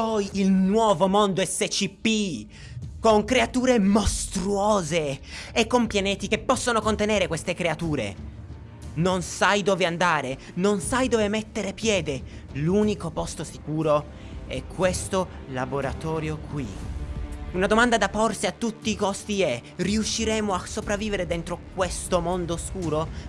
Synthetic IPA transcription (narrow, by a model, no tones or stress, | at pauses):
pɔjilnwɔːvomond̪oɛsːet͡ʃipːi | koŋkɾeat̪uːɾemost̪ɾuɔːzeekːompjaneːt̪ikepːɔsːonokont̪eneːɾekwest̪ekɾeat̪uːɾḛ | nonsajd̪oːveand̪aːɾe | nonsajd̪oːvemet̪ːeɾepjɛːd̪eluːnikopɔst̪osi̥kuːɾo | ɛkʰːwest̪olaboɾa̰t̪ɔːɾjokwi | unad̪omand̪ad̪apːorsiat̪ːut̪ːiːkɔst̪iɛriuʃːiɾɛːmoasːopɾavːiːveɾed̪ɛnt̪ɾok̚west̪omond̪oskuːɾo